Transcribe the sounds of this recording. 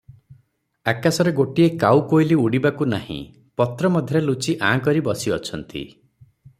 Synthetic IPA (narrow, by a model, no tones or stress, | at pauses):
akasɔɾeɡoʈiekawkojliuɽibakunahḭ̃ | pɔt̪ɾɔmɔd̪ʱjɔɾelut͡ʃiʔãkɔɾibɔsiɔ̰t͡ʃʰɔnt̪ḭ